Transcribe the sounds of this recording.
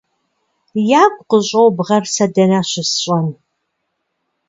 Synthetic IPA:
jaːɡʷqəɕʼowbʁɐrsɐdɐnaːɕɪsɕʼɐn

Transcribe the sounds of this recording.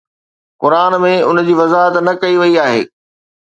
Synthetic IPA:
kʊɾaːnmẽʊnd͡ʑiːʋɐzaːɦət̪nɐkɐiʋɐiaːɦḛː

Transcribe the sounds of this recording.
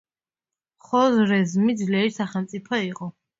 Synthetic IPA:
χɔzɾɛzmid̪zlɛɾisaχɛlmt̪sʼipʰɔiqʼɔ

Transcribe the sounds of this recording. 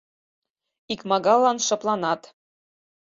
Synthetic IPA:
ikmɑɡɑlˠːɑnʃɤ̆plˠɑnɑt̪

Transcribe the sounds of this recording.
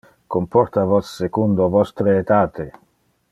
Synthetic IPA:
kompɔɾt̪avɔsːekund̪ovɔst̪ɾeːt̪aːt̪ʰe

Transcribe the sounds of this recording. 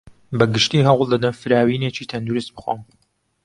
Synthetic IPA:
bɐɡɨʃt̪iːɦɑwlˠd̪ɐd̪ɐnfɨɾaːwiːneːt͡ʃiːt̪ʰɐnd̪uɾɨst̪̚bɨxo̰m

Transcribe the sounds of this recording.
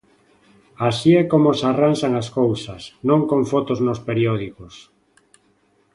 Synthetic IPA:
asiɛkomosaranʃaŋaskowsasnõŋkoɱfɔt̪oznospeɾjɔðikos

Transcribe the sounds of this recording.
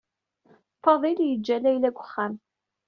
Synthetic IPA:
fɑðˤiljəd͡ʒːælæjlæɡʷʊ̥χːæm

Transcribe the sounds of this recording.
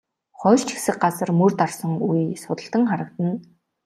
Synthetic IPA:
χɔːrt͡ɕʰi̥sɘ̆k̚ɢat͡sə̆rmɵrt̪arsə̆ŋujsʊt̪ə̆ɬt̪ə̆ŋχaɾə̆k̚t̪ə̆n

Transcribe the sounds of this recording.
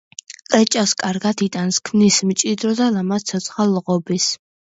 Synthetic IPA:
kʼɛt͡ʃʼaskʼaɾɡat̪ʰit̪ʼanskʰmnismt͡ʃʼid̪ɾɔd̪alamat̪t̪sʰɔt̪sʰχalːʁɔbis

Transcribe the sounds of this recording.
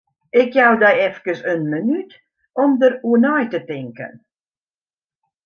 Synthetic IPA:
ɪkjawdɛjɛfkəsənmənyt | ɔmdəruənɔjtətɪŋkə̰n

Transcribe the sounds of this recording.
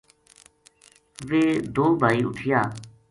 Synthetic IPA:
ʋeːd̪oːbʱaːiːʊ̰ʈʰɪjaː

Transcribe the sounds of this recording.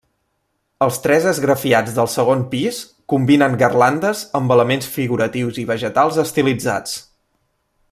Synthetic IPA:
əlˠst̪ɾɛzəzɣɾəfiad͡zðəlˠsəɣ̞onpis | kumbinəŋɡərland̪əzəmbələmensfiɣuɾət̪iwziβ̞əʒət̪alˠzəst̪ilid͡za̰t͡s

